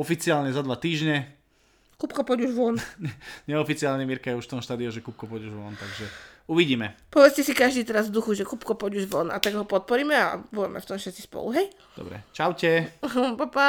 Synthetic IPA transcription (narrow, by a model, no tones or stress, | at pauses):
ɔfit͡siaːlɲɛzad̪ʋat̪iːʒɲɛ | kupkɔpɔɟuʒʋɔnɛɲɛɔfit͡siaːlɲɛmiɾkajɛuʃft̪ɔɦʃt̪aːd̪iɔʒɛkuːp̚kɔpɔɟuʒʋɔnt̪aɡʒɛuʋiɟiːmɛpɔʋɛt͡scɛsikaʒd̪iːt̪ɛɾazvd̪uxuʒɛkuːpkɔpɔɟuʒʋɔna̰t̪aɡɦɔpɔt̪̚pɔɾiːmɛabuʋɛmɛ̰ft̪ɔmfʃɛt̪t͡si̥spɔ̰lṵɦɛj | d̪̥ɔ̰bɾɛ̰t͡ʃaʊcɛpapa